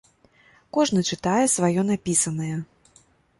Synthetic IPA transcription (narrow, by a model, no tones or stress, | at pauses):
kɔʐnɨt͡ʂɨt̪ajɛsvajɔnapʲisɐnɐjɛ